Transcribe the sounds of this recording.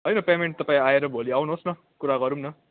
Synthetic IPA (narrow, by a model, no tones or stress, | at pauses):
ɦʌjnʌpemeɳʈ̚t̪ʌpaĩaeɾʌbʱoliawnuɦosnʌ | kuɾaɡʌɾumnʌ